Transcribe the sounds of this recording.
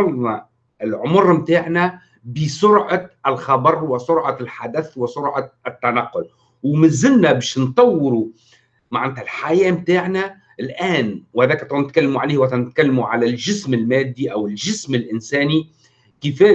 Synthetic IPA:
ɑlnɑ | ʔɪlʕomʊɾˤmt̪aːʕnæ | bɪsʊɾʕɑɪlxɑbɑɾˤwɪsʊɾʕɑlħad̪æθwɪsʊɾʕɑʔɪt̪ːænaqːʊl | wmɪzɪlːæbæːʃnt̪ˤɑwːɪɾu | maʕanːd̪ælħajæːmt̪aːʕnæ | ʔɪlʔæːnwhæd̪æːkt̪ˤːɑnɪt̪̚kælːɪmuʕaleːhwæt̪ænɪt̪̚kælːmuʕalælʒɪsmɪlmæːd̪ːiʔæwɪlʒɪsmɪlʔɪnsæːni | kɪfæː

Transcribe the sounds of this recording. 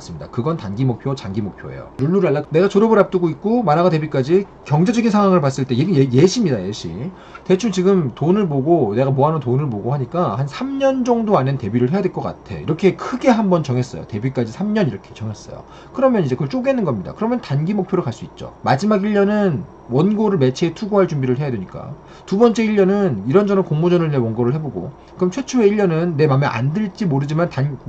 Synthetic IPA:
s͈ɯmɲida̰kɯɡʌntanɡimok̚pʰjot͡ɕanɡimok̚pʰjo̰ḛjo̰ɾuɭːuɾɯɭaɭːane̞ɡat͡ɕoɾobɯɾap̚t͈ɯɡoik̚k͈omanaɡate̞bik͈ad͡ʑi | kjʌŋd͡ʑe̞d͡ʑʌɡinsʰaŋwaŋɯɭpas͈ɯɭt͈e̞jeɡɯeje̞ɕʰimɲidajeɕʰḭ | te̞t͡ɕʰuŋt͡ɕiɡɯmtonɯɭboɡone̞ɡamoɦanɯntonɯɭpoɡohaɲik͈ahansʰamɲʌnd͡ʑʌŋdoanente̞biɾɯɭhe̞jadweɭk͈ʌk͈a̰tʰe̞̰ḭɾʌkʰe̞kʰɯɡe̞ɦambʌnt͡ɕʌŋe̞s͈ʌjo̰te̞bik͈ad͡ʑisʰamɲʌniɾʌkʰe̞̥t͡ɕʌŋɦe̞s͈ʌjo̰ | kɯɾʌmjʌnid͡ʑe̞kɯʌɭt͡ɕ͈oɡenːɯnɡʌmɲida̰kɯɾʌmjʌntanɡimok̚pʰjoɾɯɭkaɭs͈uit̚t͡ɕ͈o̰mad͡ʑimaɡiʎːʌnɯn | wʌnɡoɾɯɭme̞t͡ɕʰiːtʰuɡoɦaɭt͡ɕumbiɾɯɭɦe̞jadweɲik͈a̰ | tubʌnt͡ɕ͈e̞iʎːʌnɯniɾʌnd͡ʑʌnʌkoŋmod͡ʑʌnɯɭnewʌnɡoɾɯɭɦe̞boɡo̰ | ɯʌmt͡ɕʰwe̞t͡ɕʰueiʎjʌnɯnːe̞mameʔa̰ndɯɭt͡ɕ͈imoɾɯd͡ʑimantan

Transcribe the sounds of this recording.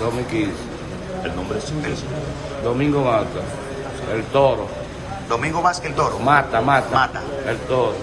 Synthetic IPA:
ɾomikis | elnõmbɾesiɾs | d̪omĩŋɡomat̪a | elt̪oɾo | d̪omĩŋɡomaskelt̪oɾomat̪amat̪aat̪aelt̪oɾo

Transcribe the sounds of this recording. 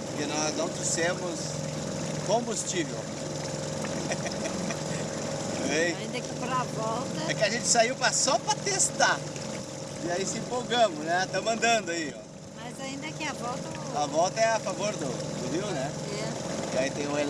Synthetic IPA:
pʊɾkɪnɔznɐ̃w̃t͡ʃisɛmʊs | kõbust͡ʃivḛw | eaĩnd̪ɐkɪpɾavɔwt̪ɐɛkɪɐʒẽnt͡ʃɪ̥saiwpɾɐsɔpɾɐt̪est̪aɾ | ɪaisɪẽmpowɡɐ̃mʊznɛt̪ɐ̃mɐ̃nd̪ɐ̃nd̪ʊaiɔ̰ | mɐzaĩnd̪ɐkɛavɔwt̪ɐ | avɔwt̪ɐɛafavoɾd̪ʊd̪ʊɦiwnɛɛɪait̪ẽj̃ũel

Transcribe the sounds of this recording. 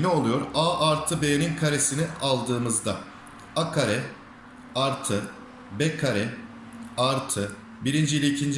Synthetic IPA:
nɛo̞lˠujo̞ɾaːʔaɾt̪ʰɯbejninkʰaɾesinialˠd̪ɯːmɯzd̪a | akʰaɾɛ | aɾt̪ʰɯ | bɛkʰaɾɛ | aɾt̪ʰɯ | biɾind͡ʒilʲeicʰind͡ʒ

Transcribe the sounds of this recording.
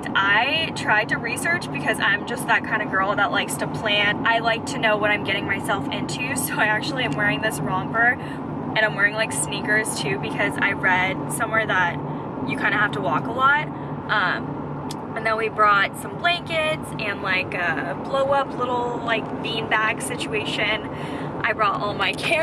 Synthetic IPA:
aɪtʰɹ̥aɪd̚tɨɹisɜ˞t͡ʃb̥ɨkʰʌzã̰ɪ̃md͡ʒʌst̪̚ðət̚kʰãɪ̃ndɨɡɜ˞lˠðətʔˡlʔaɪkstʰɨpʰl̥æ̃nʔaɪlaɪk̚tʰɨnoʊwʌɾãɪ̃mɡɛɾɪ̃ŋmaɪsɛlˠfɪ̃ntʰʉsoʊaɪæk̚t͡ʃʉl̩ˠiãɪ̃mwɛɹɪ̃ŋðɪsɹɔ̃ŋbɜ˞ | ʔɨ̃ñãɪ̃mwɛɹɪ̃ŋlaɪksnikə˞z̥tʰʉbɨkʰʌza̰ɪɹɛd̥̚sʌ̃mwɛɹðət͡ʃ̚ | jɨkʰãɪ̃ndɨhæftəwɔkəlɔt̚ | ʔʌ̃m | ɨ̃nðõwibɹɔtsʌ̃mblæ̃ŋkɪdzɨ̃nlaɪkʌb̥loʊʌpʰlɪɾl̩ˠlaɪk̚b̥ĩnbæɡ̥sɪt͡ʃʉeɪʃɨ̃n | ʔaɪbɹɔɾɔ̰lˠmaɪkʰɛ

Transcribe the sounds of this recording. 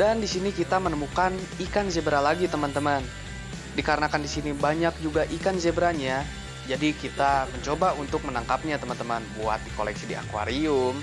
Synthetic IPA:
dandisinikit̪amənəmukanikanzebəɾalaɡit̪əmant̪əman | dikaɾənakandisinibaɲak̚d͡ʒuɡaʔikanzebəɾaɲa | d͡ʒadikit̪aməɲt͡ʃobaunt̪ʊk̚mənaŋkap̚ɲat̪əmant̪əmanbua̰t̪̚diko̰lɛ̰ksidia̰kwa̰ɾiʊm

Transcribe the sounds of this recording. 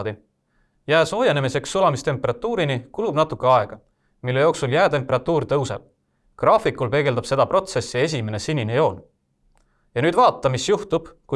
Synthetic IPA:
d̥̪i | jæːso̞ːjenemise̞ksːulɑmist̪e̞mpːeɾɑt̪ːˑuːɾinikulubnɑt̪ːˑukːˑe̞ɑe̞ɡ̥ɑ | milːe̞jo̞ːksuljæːt̪e̞mpe̞ɾɑt̪ːˑuːɾt̪ɤwse̞̰b̥̚ | krɑːfikːˑulpe̞ɡ̥e̞ld̪ɑb̥se̞d̪̥ɑpro̞t̪se̞sːie̞s̬ʲime̞ne̞sinʲinejo̞ːn | jɑnyːd̪vɑːt̪ːˑɑmisjuht̪ub̥ku

